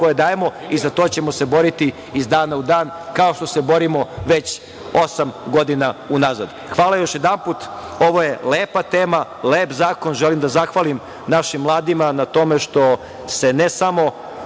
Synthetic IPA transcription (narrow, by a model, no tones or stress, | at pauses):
kojed̪aːjemo̞ | izat̪oːt͡ɕe̞mo̞se̞bo̞ɾit̪i | izd̪aːnaud̪aːn | kao̞ʃt̪o̞se̞bo̞ɾimo̞ʋe̞t͡ɕ | osamɡo̞d̪inaunazad̪ | xʋaːlˠajo̞ʃje̞d̪anput̪ | o̞ʋoje̞leːpat̪eːma | leːpzaːko̞nʒelimd̪azaxʋalim | naʃimːlˠaːd̪imanat̪o̞meʃt̪o̞ | se̞nesamo̞